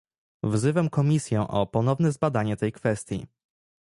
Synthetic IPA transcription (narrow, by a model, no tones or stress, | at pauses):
vzɘvɛmkɔmʲisʲjɛʔɔpɔnɔvnɛzbad̪aɲɛt̪ɛjkfɛst̪ʲjḭ